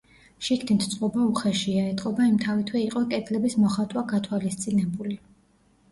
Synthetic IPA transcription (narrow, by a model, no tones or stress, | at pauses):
ʃikʰt̪int̪ʰt̪sʼqʼɔbauχɛʃiaɛt̪ʼqʼɔbaimt̪ʰavit̪ʰwɛiqʼɔkʼɛd̪lɛbismɔχat̪ʼwaɡat̪ʰwalist̪sʼinɛbuli